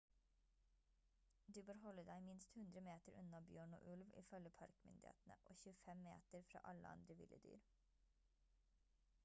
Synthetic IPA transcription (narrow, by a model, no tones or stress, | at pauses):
d̪ʉːbøːɾhɔləd̪æɪmɪnst̪hʉnd̪ɾəmeːt̪əɾʉnɑbjøːɳo̰ːʔʉlʋḭːfœləpʰɑɾkmʏ̰nd̪ɪḛːt̪n̩ə̰ʔo̰ːçʉːəfɛmːḛːt̪əɾfɾɑ̰ːʔɑlə̰ɑ̰nd̪ɾəʋɪ̰lʔəd̪y̰ːɾ